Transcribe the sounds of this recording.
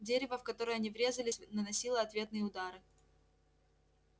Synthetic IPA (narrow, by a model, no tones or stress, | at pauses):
dʲeɾʲɪvəfkɐt̪o̞ɾɨjɐnʲivɾʲe̞zəlʲɪsʲnənɐsʲilˠəɐt̪vʲe̞t̪nɨjəʊd̪aɾɨ